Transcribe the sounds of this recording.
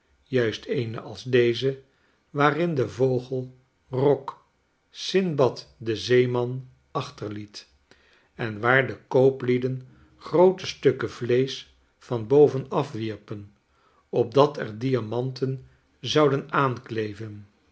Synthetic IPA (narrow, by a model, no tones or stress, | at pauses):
jœɥstʰejnə̰ʔɑlˠzdejzə | ʋaːrɪndəvowχəlˠ | rɔk | sɪnbɑtdəzejmɑn | ɑχtəɹlit | ɛnʋaːɹdəkowplidən | χrowtəstɵkəvlejs | fɑnbowvənɑfʋiɹpən | ɔb̚dɑtɛɹdiamɑntʰən | zɑwdənaːnklejvən